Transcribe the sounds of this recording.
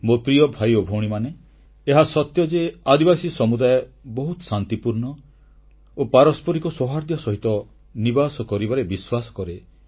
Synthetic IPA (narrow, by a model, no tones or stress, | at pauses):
mopɾijɔbʱajobʱowɽ̃imane | eɦasɔt̪jɔd͡ʒead̪ibasisɔmud̪ajɔbɔɦut̪ɔsant̪ipuɾɳɔ | opaɾɔspɔɾikɔsɔɦaɾd̪ʱjɔsɔɦit̪ɔ | nibasɔkɔɾibaɾebiswasɔ̥kɔɾe